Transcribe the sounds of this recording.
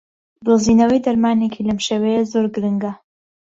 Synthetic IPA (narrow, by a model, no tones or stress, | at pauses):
bɨlziːnɐwɐjd̪ɐɾmaːnekʰiːlɐmʃewɛjezoːɾɡɨɾɨŋɡɐ